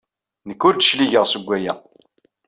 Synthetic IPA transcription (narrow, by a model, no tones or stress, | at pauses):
nəkːʊɾd̪ə̥ʃliʝəʁsəɡʷːæjæ̰